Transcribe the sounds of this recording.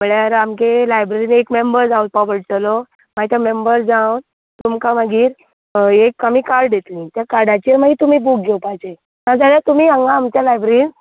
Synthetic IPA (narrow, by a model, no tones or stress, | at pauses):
məɭjaɾamkelajbɾeɾiːnekmembəɾd͡zaut̪̚paʋəɽʈəlo | mait̪amembəɾd͡zãwn | t̪umkamaɡiːɾ | ekːamiːkaɾɽd̪et̪lĩt̪jakaɾɽat͡ɕiɾmaɡit̪umiːbuk̚ɡʱewpajt͡ɕe | nãd͡zaɽjat̪umiːãŋɡaːmt͡ɕjalajbɾeɾin